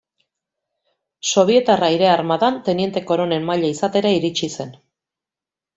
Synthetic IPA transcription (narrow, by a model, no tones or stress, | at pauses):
so̞βje̞t̪araiɾe̞aɾmaðant̪e̞nie̞nt̪e̞ko̞ɾo̞ne̞mmaʎaisat̪e̞ɾaiɾit͡ʃise̞n